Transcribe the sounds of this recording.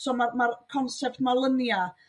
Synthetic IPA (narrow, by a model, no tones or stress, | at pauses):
sɔmamarkʰɔnsɛp̚tmalˠənja